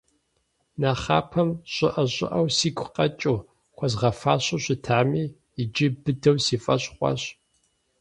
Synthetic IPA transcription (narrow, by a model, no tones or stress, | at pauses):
naːχaːpʰɐmɕʼɪʔɐɕʼɪ̰ʔɐwsiːkʷʰʼʊqɐt͡ʃʼuː | χʷɔzʁɐfaːɕʊɕʷɪtʰaːmiː | ɪd͡ʒɪbɨdɐwsiːfʼɐɕχʷɑ̰ɕ